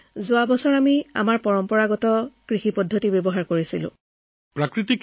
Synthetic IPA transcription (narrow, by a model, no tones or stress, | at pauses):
zʊabɔsɔɹamia̰maɹpɔɹɔmpɔɹaɡɔtɔkɹixipɔdʱːɔtibjɔbɔɦaɹkoɹisilʊ̰̃ | pɹakɹitik